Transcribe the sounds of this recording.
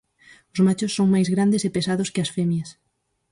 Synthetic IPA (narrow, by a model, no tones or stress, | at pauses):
ʊzmat͡ʃʊsːoŋmajzɣɾand̪ɪsepesaðʊskɪɐsfɛmjɐs